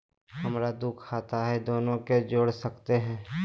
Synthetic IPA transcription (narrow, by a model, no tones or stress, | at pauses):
hɐmɾad̪ukʰːaːt̪aɦɛd̪oːnõked͡ʒoːɽsəkt̪eɦɛ̃ː